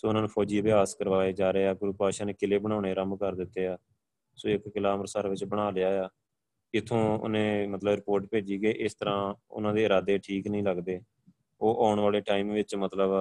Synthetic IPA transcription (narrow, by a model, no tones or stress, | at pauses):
soːʊnãːnũːpʰɔːd͡ʒiːəbɪjaːskəɾʋaːeːd͡ʒaːɾeːaːɡʊɾuːpaːʃãːneːkɪleːbəɽ̃ãːɳeːɾəmkəɾd̪ɪt̪ːeːaː | soːɪkːɪlaːmɾəsəɾʋɪt͡ʃbəɽ̃aːlɪjaːjaː | ɪt̪ʰːõːʊ̰nẽːmət̪ləbɾɪpoːɾʈpeːd͡ʒiːkeːʔɪst̪əɾãːʊ̰nãːd̪eːɪɾaːd̪eːʈʰiːknəĩːləɡd̪eː | oːʔaːʊɳʋaːleːʈaːiːmʋɪt͡ʃmət̪ləb